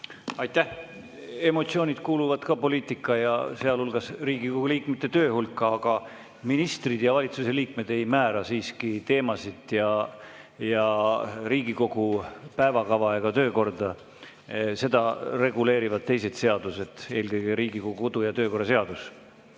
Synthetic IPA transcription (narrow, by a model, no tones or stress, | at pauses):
ɑjt̪ːˑæh | e̞mo̞t̪sio̞ːnʲid̪̥̚kuːluvɑd̪̥kɑːpo̞liːt̪ˑikːˑɑjɑ̰se̞ɑlulɡ̥ɑsriːɡikoɡ̥uliːkmet̪ːˑe̞t̪ø̞ːhulkːɑɑɡ̥ɑ | minist̪rid̪̥jɑvɑlʲit̪suse̞liːk̚me̞d̪̥e̞jmæːɾɑsiːskit̪e̞ːmɑsid̪̥jɑ | jɑɾiːɡ̥iko̞ɡ̥upæevɑkɑvɑeɡ̥ɑt̪ø̞ːko̞rd̪ɑ | se̞d̪̥ɑre̞ɡule̞ːɾivɑd̪̚t̪ːe̞js̬e̞d̪se̞ɑd̪̥use̞d̪̥e̞ːlkɤjɡeɾiːɡikoɡuod̪̥ujɑt̪øːko̞rːɑse̞ɑd̪us